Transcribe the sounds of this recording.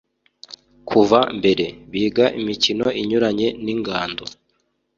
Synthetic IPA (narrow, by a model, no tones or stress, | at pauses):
kʰuvambe̞ɾe̞βiːɡaʔimicino̞ʔiɲuɾaɲe̞niŋɡaːndo